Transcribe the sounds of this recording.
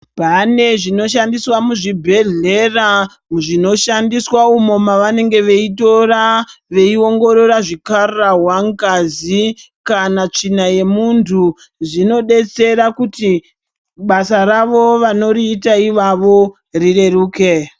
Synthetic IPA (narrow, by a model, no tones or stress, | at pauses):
pane̞ʐino̞ʃandiswamuʐibʱe̞ɮe̞ra | ʐino̞ʃandiswaumo̞maʋane̞ŋɡe̞ʋe̞ito̞raʋe̞io̞ŋɡo̞ɾo̞ɾaʐikarrawaŋkazi | kanat͡ʂinaje̞muntʰu | ʐino̞ɗe̞t͡se̞ɾakuti | ɓasaɾaʋo̞ʋano̞ɾiːtaiʋaʋo̞ | rire̞ruːke̞